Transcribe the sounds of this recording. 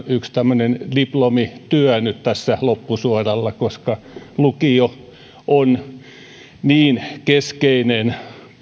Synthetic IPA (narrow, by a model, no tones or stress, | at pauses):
ykst̪æmːønendiplomit̪yænyt̪t̪æsːælopːusuorɑlːɑkoskɑ | lukio | ʔon | niːnkeskeinen